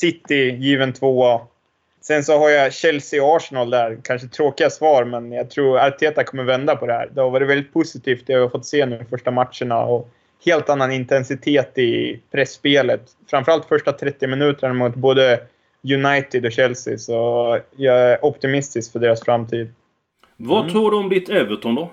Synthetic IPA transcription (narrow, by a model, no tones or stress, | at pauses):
sɪt̪ːɪjiːvənt̪ʰvoːa | sɛnsɔhaɾjaɕɛlsɪɔɑːʂnald̪æɾkʰanʂət̪ʰːɾoːkɪɡasvɑːɾmɛnjɑɡt̪ʰɾuːɾaɾt̪ʰeːt̪akʰɔmːəɾvɛnd̪apʰɔd̪ɛhæ̰ːɾd̪ɔvɑːɾɛvɛld̪ɪt̪̚pʰʊsɪt̪ʰiːft̪d̪ɛjahaɾfɔt̪ːseːnʉːfœʂʈamat̪ʂəɳa̰ɔ | heːlt̪anːanɪnt̪ɛnsɪt̪ʰeːt̪ɪpʰɾɛsːpeːlət̪ | fɾamfœɾalt̪fœʂʈat̪ʰɾɛt̪ːɪmɪnʉ̟ːt̪əæmuːt̪̚boːd̪ə | jɵnajt̪ɪd̪ɔɕɛlsɪ̰sɔjɑæɾʔɔpt̪ɪmɪst̪ɪskfœɖeːɾasfɾamːt̪ʰiːd̪ | vat̪ʰuːɡɖɔmd̪ɪt̪øːvət̪ʰɔmd̪ɔ